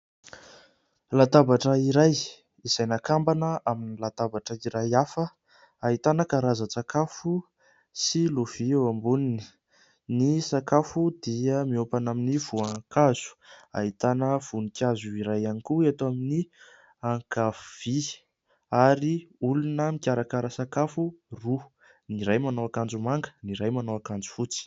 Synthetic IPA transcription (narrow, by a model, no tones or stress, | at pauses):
lat̪abaʈ͡ʂəiɾaj | iz̥ajnakambanəʔaminilat̪abaʈ͡ʂəiɾajafə | aɦit̪anəkaɾazat͡sakafu | siluv̥iambunini̥ | nisakafud̪iəmiopanaminiv̥uakaz̥u̥a̰it̪anəv̥unikʲazuiɾajanikuat̪amini | aŋkav̥i | aɾiulunəmikʲaɾakaɾəsakafuru | niɾajmanowakand͡zumaŋɡə̥niɾajmanowakand͡zu̥fut͡si̥